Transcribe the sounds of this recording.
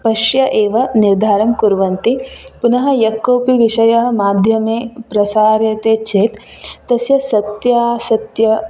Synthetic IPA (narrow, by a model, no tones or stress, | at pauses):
pɐʃjɐʔeːʋɐniɾd̪ʱaːɾɐmkuɾʋɐnt̪ipunɐɦɐ̆jɐkːoːpiʋiʃɐjɐɦɐ̆maːd̪ʱjɐmeːpɾɐsaːɾjɐt̪eːt͡ʃʰeːt̪ːɐsjɐsɐt̪jaːsɐt̪jɐ